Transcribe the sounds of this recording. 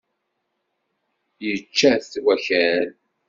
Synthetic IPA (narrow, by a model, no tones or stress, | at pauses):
jət͡ʃːæθθwæçæl